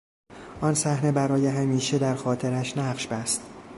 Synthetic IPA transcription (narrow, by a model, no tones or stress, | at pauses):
ʔɒːnsæhne̞bæɾɒːje̞ɦæmiːʃed̪æɾxɒːt̪ʰeɾæʃnæɢʃbæst̪